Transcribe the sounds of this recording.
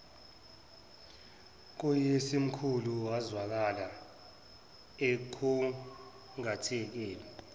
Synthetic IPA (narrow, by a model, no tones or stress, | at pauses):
k̬ujesim̩kʰuluwazwak̬ala | ɛǃʰu | ŋatʰiɛk̬ɛːlɔ